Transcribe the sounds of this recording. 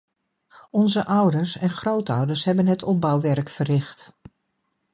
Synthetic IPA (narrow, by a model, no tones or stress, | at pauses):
ɔnzəʔʌwdəɹsɛnχrowtɔwdəsɦɛbənɦətʰɔp̚bɑwʋɛɹkfərɪχt